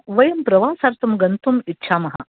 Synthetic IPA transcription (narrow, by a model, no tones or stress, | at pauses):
ʋɐjɐmpɾɐʋaːsɐːɾt̪ɐmɡɐnt̪umitːʃʰaːmɐɦɐ̰